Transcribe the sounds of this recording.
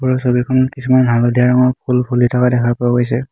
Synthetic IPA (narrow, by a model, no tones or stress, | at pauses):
puɹɔsobikʰɔnkisumanbʱalodʱiaɹɔŋɔɹpʰulpʰulitʰɔkadɛkʰapɔaɡojsɛ